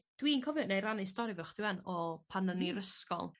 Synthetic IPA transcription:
d̥winkʰɔvjɔdnejɾanɪstɔɾivɛχd̥ɪwanɔpʰanəniɾəskɔ̰lˠ

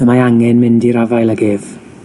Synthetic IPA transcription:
əmaaŋɛnmɪndiɾavajlˠaɡɪv̥

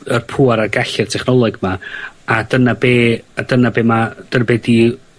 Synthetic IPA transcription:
ərpʰuːaɾarɡaɬɪr̥tʰɛχnɔlˠɔɡmaad̥ənabeːad̥ənabeːmad̥ənbɛdi

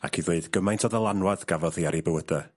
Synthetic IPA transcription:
a̰kʰiðeɨdɡ̥əmajntʰɔðəlˠanwaðɡ̥avɔðiaɾibəwəda

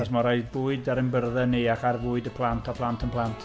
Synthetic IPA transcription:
ɔsmɔɾaɨðbuːɨdaɾɪmbərðɛniaχarvʊːɨdəpʰlˠantʰɔpʰlˠantʰənpʰlˠantʰ

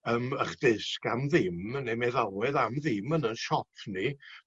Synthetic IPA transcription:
əməχd̥ɪskamðɪmnemɛðawɛðamðɪmənənʃɔpʰni

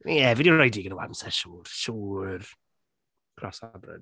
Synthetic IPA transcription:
jɛvidiɾrɔjdiːɡənəwa̰msɛʃuːrʃuːr | kʰrɔsabrɛ̰d

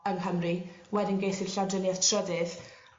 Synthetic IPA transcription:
əŋɦəmriwɛdɪnɡejθɪɬadənjɛð̥tʰrɔdɪð

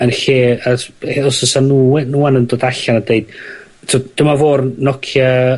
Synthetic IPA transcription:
ənɬeːaɔsəsanuwɛnuːanəndoːdaɬanadeɨd̥ | tʰɔd̥əmavoːrnɔkʰja

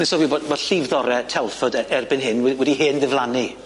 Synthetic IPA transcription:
nɪsɔwiːbodboːd̥ɬivðɔɾɛtʰɛlˠfɔdɛɛrbɪnɦɪnwɛwɛdiɦeːnðɪvlˠani

